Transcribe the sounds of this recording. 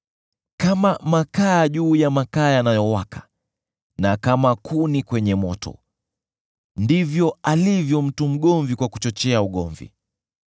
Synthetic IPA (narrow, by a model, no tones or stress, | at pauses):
kamamakaːʄuːjamakaːjanajɔwakʰḁ | nakamakʰunikwɛɲɛmɔtɔ̰ | ndivjɔalivjɔm̩tum̩ɠɔɱvikwaku̥t͡ʃɔt͡ʃɛauɠɔɱvḭ